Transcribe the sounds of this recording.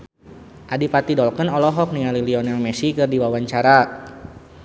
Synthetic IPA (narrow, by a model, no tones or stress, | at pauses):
ʔadipat̪idɔlkənɔlɔɦɔk̚niŋaliliɔnalmɛsikɨrdiwawaɲt͡ʃaɾa